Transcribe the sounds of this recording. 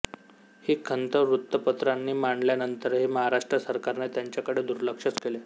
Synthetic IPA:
hiːkʰənt̪əʋɾut̪ːəpət̪ɾanːiːmaɳljanənt̪əɾɦeməɦaɾaʂʈɾəsəɾkaɾnet̪jaɲt͡ɕjakəɽed̪uɾləkʂət͡skele

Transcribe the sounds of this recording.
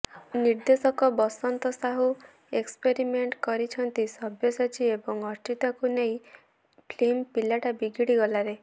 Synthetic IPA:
niɾd̪esɔkɔbɔsɔnt̪ɔsaɦu | ekspeɾimeɳʈkɔɾit͡ʃʰɔnt̪isɔbjɔsat͡ʃʰiebɔŋɔɾt͡ʃit̪ɔkuneĩ | pʰlempilaʈabiɡiɽiɡɔlaɾe

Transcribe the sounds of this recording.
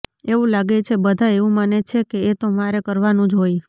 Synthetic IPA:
eʋũlaɡet͡ʃʰebəd̪ʱaeʋũmanet͡ʃʰekeːt̪omaɾekəɾʋanũd͡ʒɦoj

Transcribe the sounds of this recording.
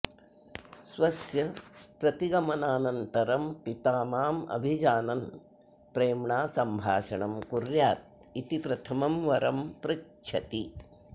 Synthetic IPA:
sʋɐsjɐpɾɐt̪iɡɐmɐnaːnɐnt̪ɐɾɐmpit̪aːmaːmɐ̰bʱid͡ʒaːnɐn | pɾeːmɳaːsɐmbʱaːʃɐɳɐmkuɾjaːt̪̚ | it̪ipɾɐt̪ʰɐmɐmʋɐɾɐmpɾɐ | t͡ʃʰɐt̪i

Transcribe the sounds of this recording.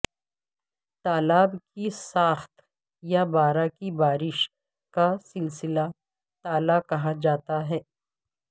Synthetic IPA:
t̪aːlaːbkisaːxt̪ | jabaːɾakibaːɾɪʃ | kasɪlsɪla | t̪aːlakɐɦad͡ʒaːt̪aɦɛː

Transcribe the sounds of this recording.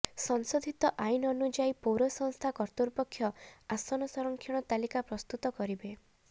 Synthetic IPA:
sɔŋsod̪ʱit̪ɔʔainɔɔnud͡ʒaipowɾɔsɔŋst̪ʰakɔɾt̪uɾpɔkʰːjɔasɔnɔsɔɾɔŋkʰjɔɽ̃ɔt̪alikapɾɔst̪ut̪ɔkɔɾibe

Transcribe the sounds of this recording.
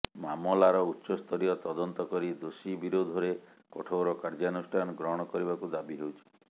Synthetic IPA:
mamɔlaɾɔutːʃɔst̪ʰɔɾijɔt̪ɔd̪ɔnt̪ɔkɔɾid̪osibiɾod̪ʱɔɾe | kɔ̰ʈʰowɾɔkaɾd͡ʒanusʈʰanɔɡɾɔɦɔɽ̃ɔkɔɾibakud̪abiɦewt͡ʃʰi̥

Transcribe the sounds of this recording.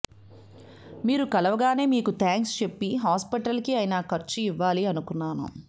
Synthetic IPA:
miːɾukɐlɐʋɐɡaːne̞ːmiːkut̪ʰaːŋkst͡ʃe̞pːiɦaːspiʈɐlkiɐjnaːkɐɾt͡ʃuiʋːaːliɐnukunːaːnṵ

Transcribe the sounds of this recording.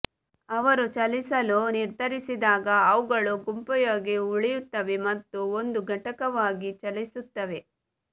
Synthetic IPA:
ɐʋɐɾut͡ʃɐlisɐluniɾd̪ʱɐɾisid̪aːɡɐːʋuɡɐɭuɡumpɐjoːɡe̞uɭijut̪ːɐʋe̞mɐt̪ːuond̪uɡʱɐʈɐkɐʋaːɡit͡ʃɐlisut̪ːɐʋe̞

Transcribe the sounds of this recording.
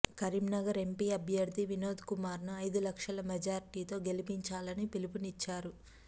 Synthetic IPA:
kɐɾimnɐɡɐɾe̞mpiːɐbʱjɐɾd̪ʱiʋino̞ːd̪kumaːɾnɐɐjd̪ulɐkʂɐlɐmɛd͡ʒaːɾiʈiːt̪o̞ːɡelipiɲt͡ʃaːlɐnipilip̬unit͡ʃːaːɾu

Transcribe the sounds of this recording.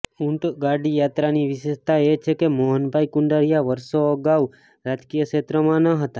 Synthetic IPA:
uɳʈɡaɖijat̪ɾaniʋɪʃeʃt̪aet͡ʃʰekemoɦənbʱajkuɳɖəɾijaʋəɾsoːɡaʋ | ɾad͡ʒkijəʃet̪ɾəmãnəɦət̪a

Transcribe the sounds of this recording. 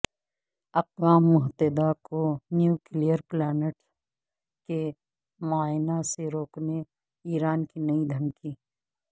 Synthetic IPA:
ɐqʋaːmːʊɦt̪ed̪akonjuːkɪlijəɾplɛːneʈ | ke | maːɪnaseɾoːkne | iːɾaːnkinɐid̪ʱɐmkiː

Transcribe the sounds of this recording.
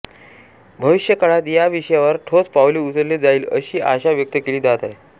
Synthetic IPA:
bʱəʋiɕjəkəɭat̪jaʋiɕəjaʋəɾʈʰot͡spawliut͡səɾled͡zaiːləɕiːʔa̰ɕaʋjək̚t̪əkeɭiːd̪at̪ae

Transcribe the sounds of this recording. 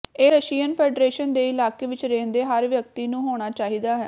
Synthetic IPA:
eːɾəʃiːənpʰeːɖɾeːʃənd̪eːɪlaːkeːʋɪt͡ʃɾẽːnd̪eːɦəɾʋjək̚t̪iːnũːɦoːɽ̃aːt͡ʃaːɦiːd̪aːɦɛ̰ː

